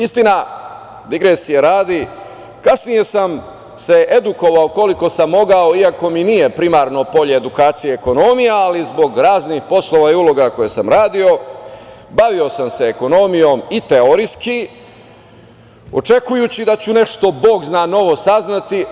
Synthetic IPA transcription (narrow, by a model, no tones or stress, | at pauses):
ist̪ina | d̪iɡɾesijeɾaːd̪i | kasnije̞sam | se̞ʔe̞d̪uko̞ʋaoko̞liko̞samːo̞ɡao̞iako̞minije̞pɾimaːɾno̞po̞ʎe̞ːd̪ukaːt̪sijeːko̞no̞mijaalizbo̞ɡɾaːznixpo̞slˠo̞ʋaiulo̞ɡako̞jesamɾaːd̪io̞ | baʋio̞samse̞ːko̞no̞mijo̞ːmit̪eoɾiski | o̞t͡ʂe̞kujut͡ɕid̪at͡ɕune̞ʃt̪o̞bo̞ːɡznaːno̞ʋo̞saznat̪i